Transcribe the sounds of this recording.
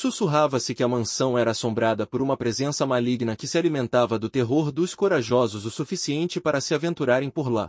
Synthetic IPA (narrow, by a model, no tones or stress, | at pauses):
susuɦavɐsɪkɪɐmɐ̃sɐ̃w̃ɛɾɐːsõbɾad̪ɐpoɾũmɐpɾezẽsɐmaliɡnɐkɪsɪalimẽnt̪avɐd̪ʊt̪eɦoɾd̪ʊskoɾaʒɔzʊzʊsufisiẽnt͡ʃɪpaɾɐsɪavẽnt̪uɾaɾẽj̃poɾla̰